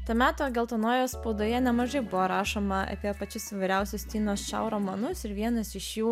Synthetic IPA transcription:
t̪ɐmʲæːt̪oːɡʲɛlˠt̪ɐnoːjoːspɐʊd̪oːjɛnʲɛmɐʒɐɪbʊʋoːɾɑːʃoːmɐɐ̰pʲiɛpɐt͡ʃʲɪsɪʋɐɪɾʲɛʊsʲʊsʲt̪ʲiːnoːst͡ʃʲɛ̰ʊɾoːmɐnʊsɪɾʋʲiɛnɐsɪʃjuː

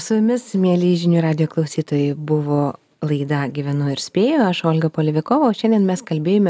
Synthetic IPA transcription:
sʊjʲʊmʲɪsmʲiɛlʲiːʒʲɪnʲuːɾɑːd̪ʲɪjoːklˠɐʊsʲiːt̪oːjɛɪbʊʋoː | lˠɐɪd̪ɐɡʲiʋʲɛnʊɪɾsʲpʲeːjoɐʃoːlʲɡɐpoːlʲɪʋʲɪkoːʋoʃʲɛnd̪ʲiɛnmʲɛskɐlʲbʲeːjoːmʲɛ

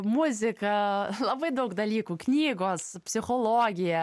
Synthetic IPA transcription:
mʊzʲɪkɐlˠɐbɐɪd̪ɐʊkd̪ɐlʲiːkuːknʲiːɡoːspʲsʲɪxoːlˠoːɡʲɪjɛ

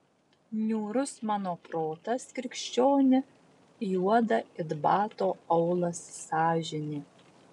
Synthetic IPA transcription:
nʲuːɾʊsmɑːnoːpɾoːt̪ɐskʲɾʲɪkʃʲt͡ʃʲoːnʲɪ | juɔd̪ɐɪd̪bɑːt̪oːɐʊlˠɐsːɑːʒʲɪnʲeː

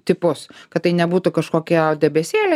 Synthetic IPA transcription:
t̪ʲɪpʊskɐt̪tːɐɪnʲɛbuːt̪ʊkɐʃkoːkʲiɛd̪ʲɛbʲɛsʲeːlʲɛ

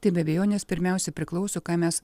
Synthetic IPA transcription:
t̪ɐɪbʲɛbʲɛjoːnʲɛspʲɪɾʲmʲɛˑʊsʲɛpʲɾʲɪklˠɒʊsʲoːkɑːmʲɛs

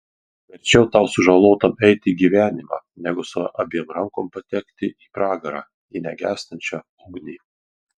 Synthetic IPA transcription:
ʋʲɛɾʲt͡ʃʲɛʊt̪ɑˑʊsʊʒɐlˠoːt̪ɐmɛɪt̪ʲɪiːɡʲiːʋʲæːnʲɪmɑ̰nʲɛɡʊsʊʔɐbʲiɛmɾɐŋkoːmpɐt̪ʲɛkt̪ʲɪʔiːpɾɑːɡɐɾɑ̰ː | iːnʲɛɡʲæːsʲt̪ɐnʲt͡ʃʲɑ | ʊɡnʲiː

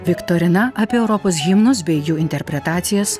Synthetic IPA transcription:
ʋʲɪkt̪oːɾʲɪnɐʔɐpʲiːɛʊɾɔpoːs̬ɣʲɪmnʊsbʲɛɪjʲuːɪnʲt̪ʲɛɾʲpʲɾʲɛt̪ɑːt̪sʲɪjɛs

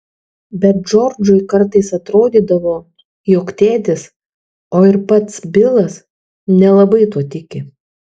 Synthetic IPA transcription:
bʲɛt̪̚d͡ʒɔɾd͡ʒʊɪkɐɾt̪ɐɪsɐt̪ɾoːd̪ʲiːd̪ɐʋoː | joːkt̪ʲeːd̪ʲɪs | oːɪɾpɐt̪sbʲɪlˠɐs | nʲɛlˠɐbɐɪt̪uɔt̪ʲɪkʲɪ

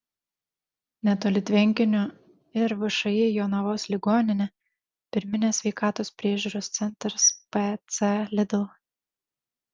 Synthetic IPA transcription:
nʲɛt̪oːlʲɪt̪ʲʋʲɛŋʲkʲɪnʲʊ | ɪɾʋʲɐʃɐjɪjoːnɐʋoːslʲɪɡoːnʲɪnʲɛ | pʲɪɾʲmʲɪnʲeːsʲʋʲɛɪkɑːt̪oːspʲɾʲiɛʒʲuːɾoːst̪sʲɛnʲˑt̪ɾɐspɛt̪sɛlʲɪd̪ʲlˠ

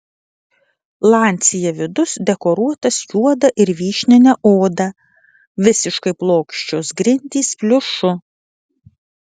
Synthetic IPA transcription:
lˠɑːnʲt̪sʲɪjɛʋʲɪd̪ʊsd̪ʲɛkɔɾuɔt̪ɐsjuɔd̪ɐʔɪɾʋʲiːʃʲnʲɪnʲɛʔoːd̪ɐ | ʋʲɪsʲɪʃkɐɪplˠoːkʃʲt͡ʃʲoːsɡɾʲɪnʲt̪ʲiːspʲlʲʊʃʊ

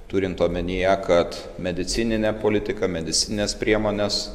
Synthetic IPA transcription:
t̪uːɾʲɪnt̪oːmʲɛnʲijɛkɐt̪ | mʲɛd̪ʲɪt̪sʲɪnʲɪnʲeːpoːlʲɪt̪ʲɪkɐmʲɛd̪ʲɪsʲɪnʲɪnʲeːspʲɾʲiɛmoːnʲes

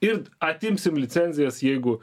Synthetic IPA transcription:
ɪɾɐt̪ʲɪmʲsʲɪmlʲɪt̪t͡s̪ʲɛnʲzʲɪjɛsjɛɪɡʊ

